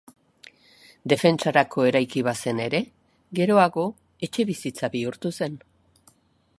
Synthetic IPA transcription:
d̪e̞fe̞nt͡ʃaɾakʰo̞e̞ɾajkiβase̞ne̞ɾe̞ | ɣe̞ɾo̞aɣo̞ | e̞t͡ʃe̞βisit͡saβiuɾt̪use̞n

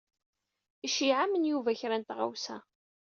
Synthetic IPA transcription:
iʃiʕamənjuvæçɾænt̪ʁa̰wsæ

